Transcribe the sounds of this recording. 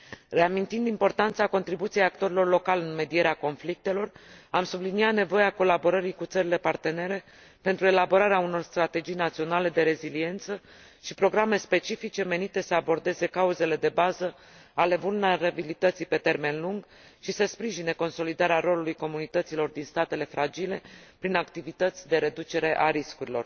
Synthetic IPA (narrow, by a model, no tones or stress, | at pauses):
re̞amint̪ind̪impo̞rt̪ant̪sako̞nt̪ɾibut̪sijejakt̪o̞ɾilo̞rlo̞kalɨnme̞d̪ije̞ɾeako̞nflik̚t̪e̞lo̞ramsublinijat̪ne̞vo̞jeako̞labo̞ɾəɾikut̪səɾile̞part̪e̞ne̞ɾe̞ | pe̞nt̪ɾue̞labo̞ɾaɾeauno̞rst̪ɾat̪e̞d͡ʒijnat̪sio̞nale̞d̪e̞ɾe̞zilie̞nt̪sə | ʃipɾo̞ɡɾame̞spe̞t͡ʃifit͡ʃe̞me̞nit̪e̞səabo̞rd̪e̞ze̞kauze̞le̞d̪e̞bazə | ale̞vulneɾabilit̪ət̪sijpe̞t̪e̞rme̞nluŋɡ | ʃisəspɾiʒineko̞nso̞lid̪aɾeaɾo̞lulujko̞munit̪ət̪silo̞rd̪inst̪at̪e̞le̞fɾad͡ʒile̞pɾinakt̪ivit̪ət̪sʲd̪e̞ɾe̞d̪ut͡ʃe̞ɾe̞ʔaɾiskuɾilo̞̰r